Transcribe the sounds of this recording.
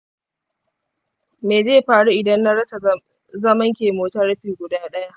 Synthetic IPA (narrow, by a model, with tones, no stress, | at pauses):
meː˨zeː˦˨ɸaː˨ɽu˦ʔɪ˨dɐ˦nːa˦ɽɐ˦sa˨ | zɐ˦mɐ˦ŋkʲeː˨moː˨tɐ˦ɽɸiː˨ɡʷʊ˨daː˦ɗɐ˦ja˦ʔ